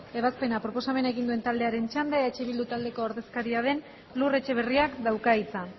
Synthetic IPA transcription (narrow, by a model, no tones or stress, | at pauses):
e̞βaspe̞napɾo̞po̞same̞naeɣind̪ue̞nt̪ald̪e̞aɾe̞nt͡ʃand̪eet͡ʃeβild̪ut̪ald̪e̞ko̞aɾðe̞skaɾiaðe̞n | lure̞t͡ʃe̞β̞e̞riakd̪awkait͡sa